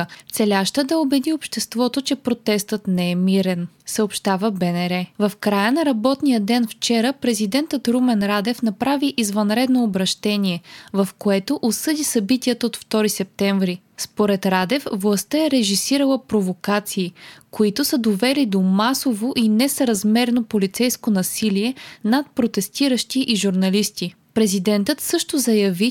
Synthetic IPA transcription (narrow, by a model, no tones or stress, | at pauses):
t̪sɛlʲaʃt̪əd̪ɐobɛd̪iopʃt̪ɛst̪vɔt̪ot͡ʃɛpɾot̪ɛst̪ət̪nɛɛmiɾɛn | səopʃt̪avəbɛnɛɾɛvɐfkɾajənɐɾɐbɔt̪nijəd̪ɛnft͡ʃɛɾəpɾɛzid̪ɛnt̪ət̪ɾumɛnɾad̪ɛfnɐpɾaviʔizvɐnɾɛd̪noːbɾɐʃt̪ɛniɛvɐfkoɛt̪oʔosɤd̪isɐbit̪iət̪əot̪ft̪ɔɾisɛp̚t̪ɛɱvɾi | spoɾɛt̪ɾad̪ɛfvlˠɐst̪əɛɾɛʒisiɾəlˠəpɾovokat̪siːkoit̪ʊsəd̪ovɛlid̪omasovoʔinɛsəɾɐzmɛɾnopolit̪sɛjskonɐsiliɛnat̪̚pɾot̪ɛst̪iɾəʃt̪iʔiʒuɾnɐlist̪i | pɾɛzid̪ɛnt̪ət̪sɤʃt̪ozɐjɐvi